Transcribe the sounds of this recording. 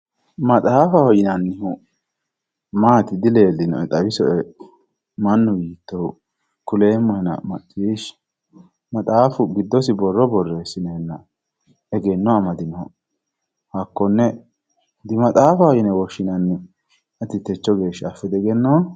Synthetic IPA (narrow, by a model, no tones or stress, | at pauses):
mɐt̪ʼaːfɐhɔjɪnɐnːɪhʊ | maːt̪ɪd̪ɪle̞ːlːɪnɔ̰ɛt̪ʼɐwɪsɔɛ | mɐnːʊjiːt̪ːɔ | kʊleːmːɔhɛnɐ̰mɐtːiːʃ | mɐt̪ʼaːfʊɡɪd̪ːɔsɪbɔrːɔbɔrːeːsːɪnɐhɛnːɐ | ɛɡɛnːɔɐmɐd̪ɪnɔɔ | hɐkːɔnːɛ | d̪ɪmɐt̪ʼaːfɐhɔjɪnɛwɔʃːɪnɐnːɪ | ɐt̪ːɪt̪ɛt͡ʃːɔɡe̞ːʃːɐfːɛd̪ɛɡɛnːɔ